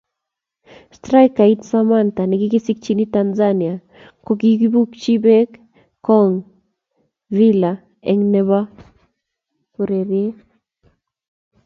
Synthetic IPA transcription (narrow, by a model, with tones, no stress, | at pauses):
stɾa˦jka˨itsamanta˨ni˨ki˦ki˦si˦k̚t͡ʃi˦ni˦tanzania˨ | ko˦k̬i˦ɡi˦bu˦kt͡ʃi˦bek | kɔŋ | ɾila | ɛŋnɛ˦βa˦ | ku˨ɾeɾje˦